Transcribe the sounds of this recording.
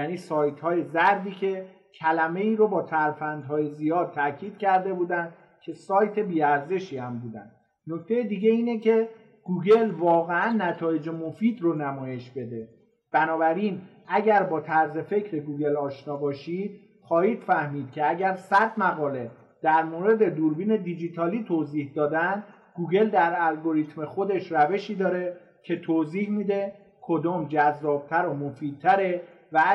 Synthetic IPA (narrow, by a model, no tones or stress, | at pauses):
jæːniːsɒːjt̪hɒːje̞zæɾd̪iːcʰe̞ | cʰælæme̞iːɾobɒːt̪ʰæɾfænd̪ɦɒːje̞zijɒːd̪̚t̪ʰæcʰiːd̪̥̚cʰæɾd̪e̞buːd̪ænd̪̥ | cʰe̞sɒːjt̪ʰe̞biːæɾze̞ʃiːhæmbuːd̪æ̰nd̪̥ | no̞kʰt̪ʰejed̪iɟe̞iːnecʰe̞ | ɡ̥uːɡe̞lvɒːɣeænːæt̪ʰɒːje̞d͡ʒemo̞fiːd̪ronæmɒːje̞ʃbe̞d̪e̞ | b̥ænɒːbæɾin | æɟæɾbɒːt̪ʰæɾze̞fe̞cʰɾe̞ɡuːɟe̞lɒːʃnɒːbɒːʃiːd̪̥ | xɒːhiːd̪̥fæhmiːd̪̥̚cʲʰe̞æɟæɾsæd̪mæɣɒːle̞ | d̪̥æɾmoɾe̞d̪e̞d̪uːɾbiːne̞d̪id͡ʒit̪ʰɒːliːt̪ʰoziːhd̪ɒːd̪ænd̪ | ɡuːɟe̞ld̪æɾælɡo̞ɾiːt̪ʰmexo̞d̪e̞ʃɾæve̞ʃiːd̪ɒːɾe̞ | cʰe̞t̪ʰoːziːhmiːd̪e̞ | kʰo̞d̪ɒːmd͡ʒæzːɒːb̥̚t̪ʰæɾomofiːd̪̚t̪ʰːæɾe̞ | væ